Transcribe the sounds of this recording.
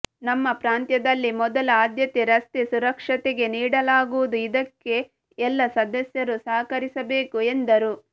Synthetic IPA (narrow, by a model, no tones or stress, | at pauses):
nɐmːɐpɾaːnt̪jɐd̪ɐlːimɔd̪ɐlɐaːd̪jɐt̪eɾɐst̪esuɾɐkʂɐt̪ɛɡe̞niːɽɐlaːɡuʋud̪uid̪ɐkːe̞ | ɛlːɐsɐd̪ɐsjɐɾusɐːkɐɾisɐbe̞ːkue̞nd̪ɐɾu